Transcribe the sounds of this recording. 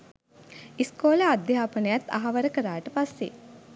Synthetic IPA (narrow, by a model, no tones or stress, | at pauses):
iskoːləad̪ːɐɦaːpənəjat̪ːa̰ɦaʋɐɾəkəɾaːʈəpasːḛ